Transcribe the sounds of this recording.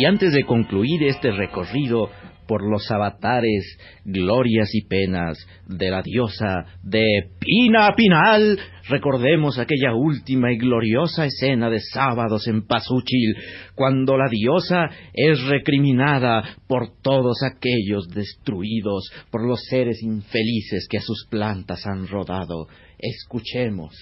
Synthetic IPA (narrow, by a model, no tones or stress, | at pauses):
iant̪e̞zðe̞ko̞ŋkluiɾe̞st̪ere̞ko̞riðo̞po̞ɾlo̞saβat̪aɾez | ɣlo̞ɾjasipe̞na̰z | ðe̞laðjo̞saðe̞pinapinal | re̞ko̞ɾðe̞mo̞sake̞ʝault̪imaiɣlo̞ɾjo̞saese̞naðe̞saβaðo̞se̞mpasut͡ʃilkwand̪o̞laðjo̞sae̞sre̞kɾimĩnaðapo̞ɾt̪oðo̞sake̞ʎo̞zðe̞st̪ɾuiðo̞spo̞ɾlo̞se̞ɾe̞siɱfe̞lise̞skeasusplant̪asanro̞ðaðo̞̰ | eskut͡ʃe̞mo̞̰s